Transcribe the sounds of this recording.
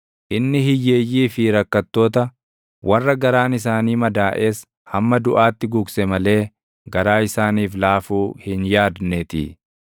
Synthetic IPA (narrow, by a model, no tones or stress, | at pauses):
ʔɪnːɪhɪjːeːjːiːfɪɾɐkːɐt̪ːo̞ːt̪ɐ | wʔɐrːɐɡɐɾaːnɪs̬aːniːmɐd̪aːʔe̞ːs | hɐmːɐd̪ʊʔaːt̪ːɪɡʊɡsɛmɐle̞ː | ɡɐɾaːɪsaːniːflaːfuːhɪnjaːd̪nɛt̪ɪ̰